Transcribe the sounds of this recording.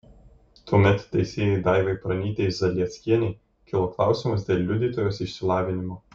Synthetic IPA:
t̪uɔmʲɛt̪t̪ʲːɛɪsʲeːjɛɪd̪ɑˑɪʋɐɪpɾɐnʲiːt̪ʲezɐlʲiɛt̪sʲkʲiɛnʲɛɪ | kʲɪlˠoːklˠɑˑʊsʲɪmɐs̬d̪ʲeːlʲˠlʲʊd̪ʲiːt̪oːjoːsɪʃʲsʲɪlˠɑːʋʲɪnʲɪmoː

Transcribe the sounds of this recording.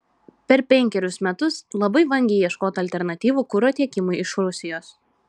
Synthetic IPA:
pʲɛɾpʲɛŋʲkʲɛɾʲʊsmʲɛt̪ʊslˠɐbɐɪʋɐŋʲɡʲɛɪjiɛʃkoːt̪ɐlʲt̪ʲɛɾnɐt̪ʲiːʋuːkʊɾoːt̪ʲiɛkʲɪmʊjɪʃɾʊsʲɪjoːs

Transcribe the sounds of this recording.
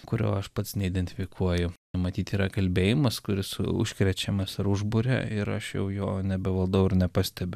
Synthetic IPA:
kʊɾʲo̰ːɐʃpɐt̪snʲɛɪd̪ʲɛnʲt̪ʲɪ̥fʲɪkʰuɔjʊ | mɐt̪ʲiːt̪ʲiːɾɐkɐlʲbʲeːjɪmɐskʊɾʲɪsʊ̰ʃʲkɾʲɛt͡ʃʲɛmɐsɪɾʊʒbʊɾʲɛ̰ɪɾɐ̰ʃjɛ̰ʊjo̰ːnʲɛbʲɛʋɐlˠd̪oʊɪrnʲɛpɑsʲt̪ʲɛbʲʊ

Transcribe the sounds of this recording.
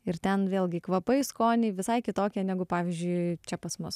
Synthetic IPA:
ɪrt̪ʲɛnʋʲeːlˠʲɡʲɪkʋɐpɐɪskoːnʲɛɪʋʲɪsɐɪkʲɪt̪oːkʲɛnʲæːɡʊpɑːʋʲizʲd͡ʒʲʊɪt͡ʃʲɛpɐsmʊs

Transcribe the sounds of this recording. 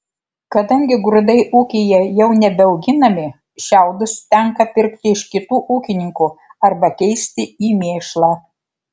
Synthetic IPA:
kɐd̪ɐŋʲɡʲɪɡɾʊd̪ɐɪʔuːkʲejɛjɛʊnʲɛbʲɛɔʊɡʲɪnɐmʲɪ | ʃʲæˑʊd̪ʊst̪ʲɛŋkɐpʲɪɾʲkt̪ʲɪɪʃkʲɪt̪uːʔuːkʲɪnʲɪŋkuɐɾbɐkʲɛɪsʲt̪ʲɪiːmʲeːʃlˠɑː

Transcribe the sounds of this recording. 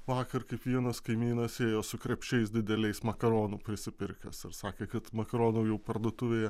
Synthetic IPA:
ʋɑːkɐɾkɐɪpʋʲiɛnɐskɐɪmʲiːnɐseːjoːsʊkɾʲɛpʲt͡ʃʲɛɪsd̪ʲɪd̪ʲɛlʲɛɪsmɐkɐɾoːnuːpʲɾʲɪsʲɪpʲɪɾʲkʲɛsɐɾsɑːkʲeːkɐt̪mɐkɐɾoːnoːjɛʊpɐɾd̪uɔt̪ʊʋʲeːjɛ

